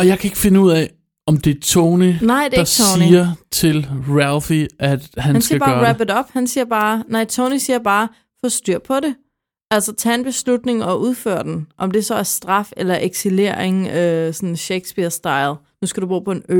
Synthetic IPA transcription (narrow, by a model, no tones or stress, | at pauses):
ɒ̽jɑ̈ɪkʰæe̝ɡ̥əfe̝nəuð̰ˠɛ | ɒ̽md̥e̝æt͡sʰoːninɑ̈ɪ̰d̥edɑsoniːɐt͡sʰe̝lʁælfiʔæd̥hænænsiɐæɡb̥ɑːʁæb̥̩ˠɒ̽b̥hænsiːɐb̥ɑ̈ːnɑɪ̰t͡sʰoʊnisiːɐb̥ɑ̈ː | fɒ̽sd̥yɐ̰pʰɒ̽ɾe̝ | ælsɐt͡sʰɛ̰ːenb̥e̝slud̥ne̝ŋɒ̽ʔuð̞ˠfø̰ɐd̥enʔɒ̽md̥e̝sɒ̽æɐsd̥ʁɑ̈felɐʔeɡ̥sile̝̰ɐ̰eŋøsɒ̽nn̩ɕeɪɡ̥sb̥iɐsd̥ɑ̈ɪl | nusɡ̥æɾub̥ʁo̰ːpʰɒ̽enø